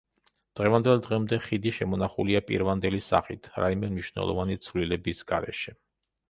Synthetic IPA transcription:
d̪̥ʁɛvand̪ɛlˠd̪ʁɛmd̪ɛχid̪iʃɛmɔnaχuliapʼḭɾvand̪ɛlisa̰χit̪ʰɾaimɛmniʃnɛ̰lˠɔ̰vanit̪sʰvlilɛbisɡa̰ɾɛ̰ʃɛ

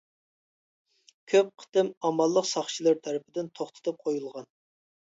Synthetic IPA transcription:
kʲʰøp̚qʰə̥t̪ɨmɑmɑlˠːəqsɑχt͡ʃʰilˠɨɾt̪ʰæɾɪpʰɪd̪ɪnt̪ʰoχt̪ʰɨ̥t̪ʰɨp̚qʰojulˠʁɑn

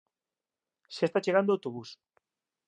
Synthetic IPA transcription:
sest̪at͡ʃeɣand̪oawt̪oβus

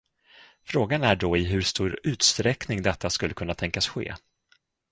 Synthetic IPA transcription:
fɾoːɡanæɖɔɪɦɵʂt̪uːɾʉ̟ːt̪st̪ɾɛknɪŋd̪ɛt̪ʰːaskɵlːəkʰɵnːat̪ʰɛŋkasɧḛː

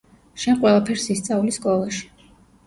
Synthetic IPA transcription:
ʃɛnqʼwɛlˠapʰɛɾsist̪sʼaliskʼɔlˠaʃi̥

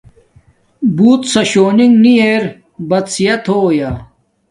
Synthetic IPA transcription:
buːt̪sɐɕoːniŋɡnieːɾ | bɐt̪sijɐt̪ʰoːjaː

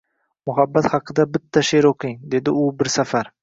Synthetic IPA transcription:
mʊɦabːat̪hɑqʰɨd̪abɪt̪ʰːaʃeɾoqʰɪŋd̪e̞d̪ɪʊbɪɾsafaɾ

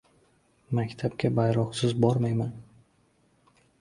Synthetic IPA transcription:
makʲt̪ʰap̚kʲabajɾɒqsɪzbɒɾmajman

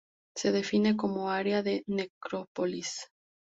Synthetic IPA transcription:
se̞ðe̞fine̞k̬o̞mo̞aɾeaðe̞ne̞kɾopolis

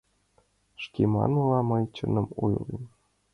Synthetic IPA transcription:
ʂkʲemɑ̰nulˠɑmɤjt͡ɕɤnɤ̆mujlˠḭ

